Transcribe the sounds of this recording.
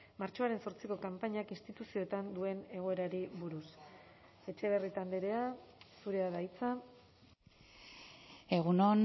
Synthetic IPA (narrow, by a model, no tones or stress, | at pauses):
maɾt͡ʃo̞aɾe̞nso̞ɾt͡siko̞kampaɲakinst̪it̪usio̞t̪and̪ue̞ne̞ɣ̞o̞e̞ɾaɾiβuɾus | e̞t͡ʃe̞β̞e̞rit̪and̪eɾe̞asuɾe̞aðajt͡sa | e̞ɣunon